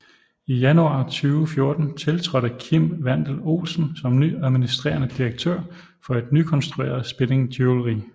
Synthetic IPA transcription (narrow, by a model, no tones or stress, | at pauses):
ijænuɑ̰̈ːt͡sʰyːʊfjo̝ɐd̥n̩t͡sʰe̝lt͡sʰʁɒ̽ɾ̥əkʰim̰ʋæn̰d̥l̩o̝̰ːlsn̩sɒ̽mnyæðˠminisd̥ʁḛːɐnəd̥iʁeɡ̥̚t͡sʰø̰ɐ̰ | fɒ̽e̝d̥nykʰɒ̽nsd̥ʁuḛːɐð̩ˠsb̥e̝ne̝ŋdʰyolo̝ʁḭː